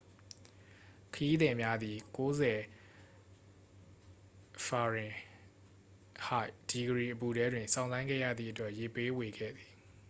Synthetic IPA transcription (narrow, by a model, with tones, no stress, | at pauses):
kʰəji˦d̪ɛ̃˨mja˦d̪ði˨ko˦zɛ˨ | fa˨ɹɪ̃˨ | ha˦ɪd̥i˨ɡəɹi˨ʔəp̬u˨ɾɛ˦dwɪ̃˨nsʰã˨ʊ̃nzã˦ɪ̃ŋɡɛ̰˦˨jä̰˦˨d̪ðḭ˦˨ʔətwɛ˦ʔje˨pe˦we˨ɡɛ̰˦˨d̪i˨